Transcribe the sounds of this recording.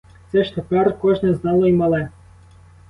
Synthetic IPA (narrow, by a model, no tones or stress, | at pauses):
t̪sɛʃt̪epɛrkɔʒnɛznɑlˠɔimɐlˠɛ